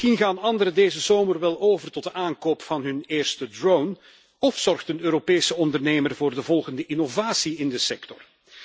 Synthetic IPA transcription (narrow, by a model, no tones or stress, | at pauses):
inɣaːnɑndəɾədeːzəzoːmərʋɛlˠoːvərtɔt̚dəʔaːŋkoːpfɑnɦɵneːrstədrown | ɔfsɔrχtənøːɾopejsəɔndərneːmərvʊːrdəvɔlˠɣəndəʔinovaːsiɪndəsɛktɔr